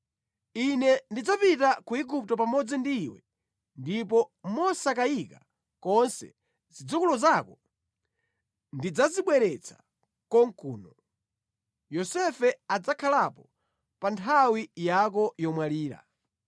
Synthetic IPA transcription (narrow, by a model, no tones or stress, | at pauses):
inɛndid͡zapitakuiɡup̚tɔpamɔd͡zindiːwɛ | ndipɔmɔsakaika | kɔnsɛ̰ | zid͡zukulɔzakɔ | ndid͡zaziɓwɛɾɛt͡sʰḁ | kɔŋ̩kṵːnɔ | jɔsɛfɛad͡zakʰalapɔ | pantʰawijak̬ɔjɔmwaliːɾa̰